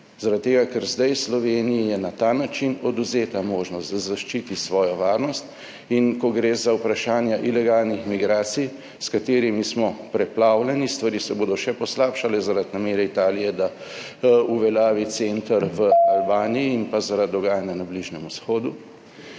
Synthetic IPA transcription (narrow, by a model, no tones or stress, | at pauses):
zaɾat̪̚t̪ːeːɡakɛɾzd̪ajslɔʋeːnijijɛnat̪anat͡ʃinɔd̪uzeːt̪amoːʒnɔst̪zaʃt͡ʃit̪isʋɔːjɔʋaːɾnɔst̪ | inkɔɡɾeːzaupɾaʃaːnjaʔilɛɡalnixmiɡɾaːt̪sij | skat̪eːɾimismɔpɾɛplaːwlɛnist̪ʋaɾiːsɛboːd̪ɔʃɛpɔslapʃalɛzaɾad̪nameːɾɛit̪aːlijɛd̪a | uʋɛlaːʋit̪sent̪aɾʋəalbaːniiːnpazaɾad̪̚ːɔɡaːjanjanabliʒnɛmusxoːd̪u